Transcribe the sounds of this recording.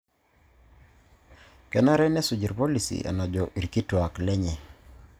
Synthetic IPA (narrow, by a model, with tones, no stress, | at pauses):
kɛ˨na˦ɾɛ˦nɛ˦su˨d͡ʒi˨ɾpo˦li˨sḭ˨ʔa̰˨na˨d͡ʒɔ˨ʔi˨ɾki˦twa˨klɛ˦ɲɛ˨